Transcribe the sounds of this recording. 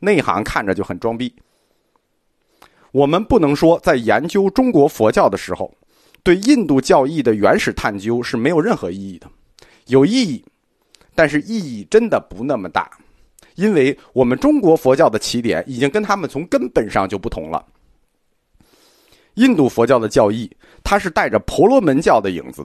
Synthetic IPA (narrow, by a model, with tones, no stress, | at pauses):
na˥˧ɪi˧˩xɑ̰˧˥ŋkʰa˥˩nʈ͡ʂə˩t͡ɕjo˥˩ʊxə˨˩nʈ͡ʂwɑ˥ŋpi˥˩ | wɔ˨˩mə˦npu˥˩nɤ˧˥ŋʂwɔ˥t͡sa˥˩ɪjɛ˧˥nt͡ɕjo˥ʊʈ͡ʂʊ˥ŋkwɔ˧˥fwɔ˧˥t͡ɕjɑ˥˩ʊd̪ə˩ʂɻ̩˧˥xo̰˧ʊ | t̪we˥˧ɪi˥˧nt̪u˥˧t͡ɕjɑ˥˧ʊi˥˩d̪ə˩ɥɛ˧˥nʂɻ̩˨˩t̪ʰa˥˩nt͡ɕjo˥ʊʂɻ̩˥˩me˧˥ɪjʊɻə˥˩nxɤ̰˧˥i˥˧i˥˩d̪ə˩ | jo˨˩ʊi˥˧i˥˩ | t̪a˥˧nʂɻ̩˥˧i˥˧i˥˩ʈ͡ʂə˥nd̪ə˨pu˧˥na˥˩mə˩t̪a̰˥˩ | i˥nwe˥˩ɪwɔ˨˩mə˦nʈ͡ʂʊ˥ŋkwɔ˧˥fwɔ˧˥t͡ɕjɑ˥˩ʊd̪ə˩t͡ɕʰi˧˥t̪jɛ̰˧˥˦ni˨˩t͡ɕi˥ŋkə˥nt̪ʰa˥mə˨nt͡sʰʊ˧˥ŋkə˥npə˨˩nʂɑ̰˥˧ŋt͡ɕjo˥˧ʊpu˥˩t̪ʰʊ̰˧˥ŋlə̰˧ | i˥˧nt̪u˥˩fwɔ˧˥t͡ɕjɑ˥˩ʊd̪ə˩t͡ɕjɑ˥˧ʊi˥˩ | t̪ʰa˥ʂɻ̩˥˧t̪a˥˩ɪʈ͡ʂə˩pʰɔ˧˥lwɔ˧˥mə˧˥nt͡ɕjɑ˥˩ʊd̪ə˩ḭ˨˩ŋd͡zɹ̩̰˦